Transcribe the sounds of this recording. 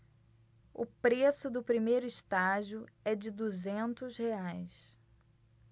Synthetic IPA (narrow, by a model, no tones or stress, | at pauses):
ʊ̰pɾesʊd̪ʊpɾimejɾʊist̪aʒiʊɛd͡ʒɪd̪uzẽnt̪ʊzheajs